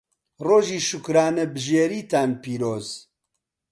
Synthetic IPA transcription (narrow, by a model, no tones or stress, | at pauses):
roːʒiːʃʊkɾaːnɛbɨʒeːɾiːt̪aːnpiːɾoːz